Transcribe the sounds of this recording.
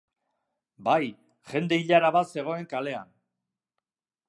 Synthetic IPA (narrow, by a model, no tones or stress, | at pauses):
baj | χe̞nd̪e̞iʎaɾaβat̪se̞ɣ̞o̞e̞ŋkale̞a̰n